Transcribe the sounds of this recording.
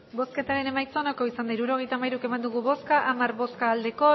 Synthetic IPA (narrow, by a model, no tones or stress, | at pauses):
bo̞ske̞t̪aɾe̞ne̞majt͡sonako̞isand̪ajɾuɾo̞ɣ̞e̞jt̪aːmajɾuke̞mand̪uɣ̞uβo̞skaʔamarβo̞skaːld̪e̞ko̞